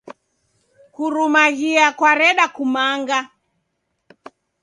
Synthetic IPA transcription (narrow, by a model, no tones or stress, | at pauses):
kuɾumaɣiakwaɾɛɗakumaŋɡa